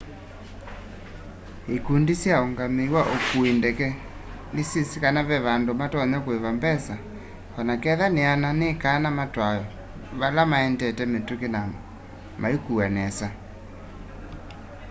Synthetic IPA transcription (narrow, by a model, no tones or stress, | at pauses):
ekundisjaoŋɡamewaʔokuendɛkɛ | nesisikanaβɛβandomatɔɲɔkweβambɛsa | ɔnakɛðaneananekanamatwajɔ | βalamaɛndɛtɛmetukena | maikuanɛsa